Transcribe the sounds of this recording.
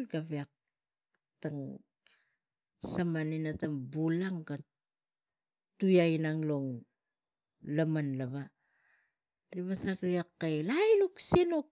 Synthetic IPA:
ɡaβiak̚ | taŋ | samaninatambulaŋɡa | tujajnaŋloŋ | lamanlaβa | ɾiβasakɾiakːajlajluksenok

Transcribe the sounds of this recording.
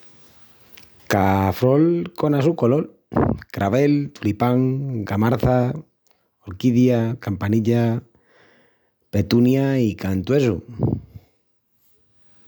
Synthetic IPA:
kafɾolkonasukolol | kɾʔaβ̞elt̪ulipaŋɡamaɾθa | oɾkiðjakampaniʎa | pet̪unjaikant̪wes̬ṵ

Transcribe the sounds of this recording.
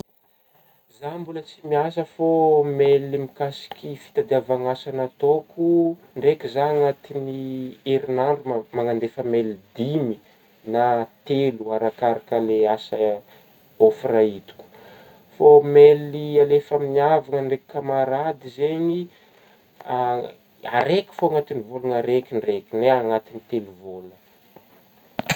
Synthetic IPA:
zambulət͡simiasəfomelimikasi̥kʲifi̥t̪ad̪eavaŋasanat̪oku | ɳɖ͡ʐekʲizaŋat̪inieɾinaɳɖ͡ʐumaŋand̪efəmelid̪imi | nat̪eluaɾakaɾakaleasə | ofrait̪u̥kʲu̥ | fomelialefaminiavaŋəɳreki̥kamaɾad̪izeɲi | a̰ɾekʲi̥foaŋat̪inivolanaɾekʲiɳɖ͡ʐekʲineaŋat̪init̪eluvolə

